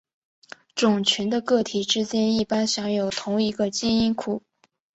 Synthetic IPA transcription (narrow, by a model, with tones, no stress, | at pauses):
ʈ͡ʂʊ˨˩ŋt͡ɕʰy˧˥nd̪ə˧kɤ˥˩t̪ʰi˨˩ʈ͡ʂɻ̩˥t͡ɕjɛ˥ni˥˩pa˥nɕjɑ˧˥ŋjo˨˩ʊt̪ʰʊ˧˥ŋi˧˥ɡə˧t͡ɕi˥ni˥nkʰu˨˩˦